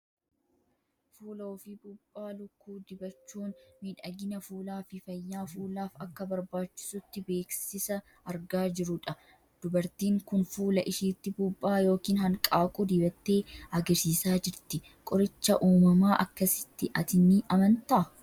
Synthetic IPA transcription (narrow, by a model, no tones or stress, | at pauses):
fuːlɐɔfɪbʊbːaːlʊkːuːd̪ɪbɐt͡ʃːuːnmiːᶑɐɡɪnɐfuːlaːfɪfɐjːaːfuːlaːfɐkːɐbɐɾbaːt͡ʃːɪ̥sʊt̪ːɪbe̞ːksɪsɐ | ɐɾɡaːd͡ʒɪɾʊᶑɐ | d̪̥ʊbɐɾt̪iːŋkʊnfuːlɐʔɪʃiːt̪ːɪbʊbːaːjo̞ːkiːnɦɐŋkʼaːkʼʊd̪ɪbɐt̪ːe̞ːɐɡɐɾsiːsaːd͡ʒɪɾt̪ɪ | kʼɔɾɪt͡ʃːɐʔuːmɐmaːʔɐkːɐsɪ̥t̪ːɪʔɐt̪ɪnːɪʔɐmɐnt̪ɐʔɐ